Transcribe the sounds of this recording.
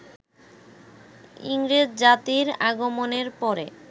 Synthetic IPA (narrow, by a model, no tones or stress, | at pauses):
ḭŋɾed͡ʑd͡ʑat̪iɾaɡomoneɾpɔɾḛ